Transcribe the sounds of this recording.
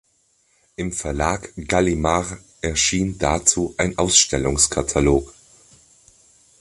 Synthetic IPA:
ʔɪmfɛɐlaːkɡ̥alimaʁ | ʔɛɐʃiːndat͡suːʔaɪnʔaʊsʃtɛlʊŋskʰatʰaloːk

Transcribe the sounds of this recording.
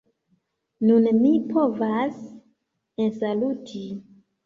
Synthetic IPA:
nunmipo̞vas | ensalutʰi

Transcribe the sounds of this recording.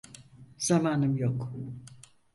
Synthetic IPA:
z̥amaːnɯmjok

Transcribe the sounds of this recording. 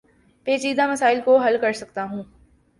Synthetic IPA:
peːt͡ʃiːd̪amɐsaːɪlkoɦɐlkɐɾsɐk̚t̪aɦũː

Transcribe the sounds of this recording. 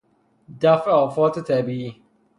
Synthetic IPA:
dafaɔfɔtɪtabii

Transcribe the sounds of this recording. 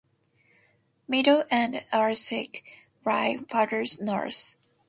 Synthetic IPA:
miɾoʊʔɨ̃naɹsɪk | ɹaɪfɑɾə˞znɔ̰ɹs

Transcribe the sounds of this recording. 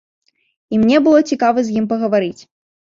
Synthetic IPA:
imnʲɛbɨlˠɔt͡sʲikavɨzʲjimpɐɣɐvaɾɨt͡sʲ

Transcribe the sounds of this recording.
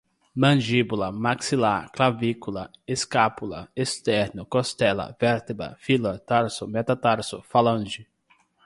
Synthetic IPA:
mɐ̃d͡ʒibulɐmaksilaklavikulɐeskapulɐ̰est̪ɛɾnʊkost̪ɛlɐ̰vɛɾt̪ɪbɾɐ̰filɐt̪aɾsʊmɛt̪at̪aɾsʊfalɐ̃d͡ʒɪ

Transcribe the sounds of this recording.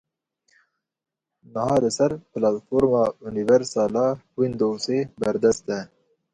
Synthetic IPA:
nɨhɑːlɨsɛɾpɨlɑt̪foːɾmɑːunivɛɾsɑːlɑːwind̪owseːbɛɾd̪ɛst̪ɛ

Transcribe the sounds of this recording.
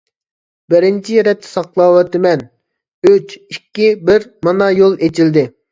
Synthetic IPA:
bɪɾɪnt͡ʃʰijɛɾɛt̪ʰːɪ̥sɑqlˠɑwɛt̪ɪmɛn | øt͡ʃikʲːibɪɾmɑnɑjolˠet͡ʃʰild̪ɪ

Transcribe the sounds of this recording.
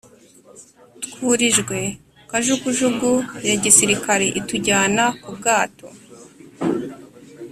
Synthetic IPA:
tkuːɾiʒɡwe̞ | kaʒukuʒuɡujaɟisiɾikaɾeʔituɟaːnakub̚ɡaːto̞̰

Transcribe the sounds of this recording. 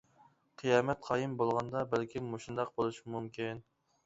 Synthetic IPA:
qʰɨjɑːmɛt̪̚qʰɑːjɨmbolˠʁɑnd̪ɑbɛlkʲʰimoʃund̪ɑq̚bolˠuʃmumkʲin

